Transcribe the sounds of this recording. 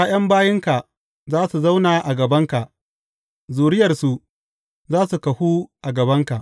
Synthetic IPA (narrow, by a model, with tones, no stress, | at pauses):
a˦j̰ɐ˦mbaː˦jɪ˦ŋka˨ | zaː˦su˨za˦wnaː˨ʔa˨ɡɐ˨bɐ˦ŋka˨ʔ | zuː˨ɽɪ˦jɐ˨rsu˨ | zaː˦su˨kɐ˨huː˦ʔa˨ɡɐ˨bɐ˦ŋka˨ʔ